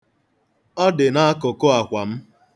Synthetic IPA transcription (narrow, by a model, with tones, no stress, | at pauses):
ɔ˦dɪ˨na˦a˦kʊ˨ko˦a˨kʷa˨m̩˦